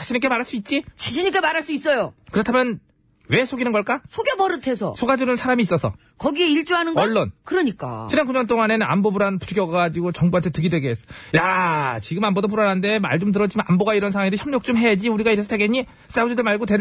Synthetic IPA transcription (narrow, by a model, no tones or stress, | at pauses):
t͡ɕaɕʰiɲik͈e̞maɾaɭs͈uit̚t͡ɕ͈it͡ɕaɕʰiɲik̬͈e̞maɾaɭs͈uis͈ʌjokɯɾʌtʰamjʌn | we̞sʰoɡinɯnɡʌɭk͈asʰoɡjebʌɾɯtʰe̞sʰʌ̰sʰoɡad͡ʑunɯnsʰaɾamiːs͈ʌsʰʌ̰ | kʌɡieiɭt͡ɕ͈uanɯnɡʌɭːʌnkɯɾʌɲik͈a̰nɦankuɲʌnt͈oŋanena̰mbobuɾanpu̥t͡ɕʰuɡjʌɡaɡad͡ʑiɡot͡ɕʌŋbuantʰetɯɡidwe̞ɡees͈ʌjat͡ɕiɡɯmambodop̬uɾanande̞ma̰ɭd͡ʑomt̬ɯɾʌd͡ʑimanʔa̰mboɡaiɾʌnsʰawaŋideçjʌmɲok̚t͡ɕ͈omɦe̞jad͡ʑiuɾiɡaiɾesʰʌtʰeɡeɲi | s͈aud͡ʑudɯɭmaɭɡotwe̞